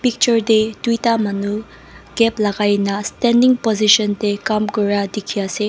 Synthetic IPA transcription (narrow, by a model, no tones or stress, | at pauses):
pik̚t͡ʃɔɾd̪etwitamɐnu | ɡ̥ɛplaɡajnɐstɛndiŋpɔziʃɔntekamɡoɾadikʰiase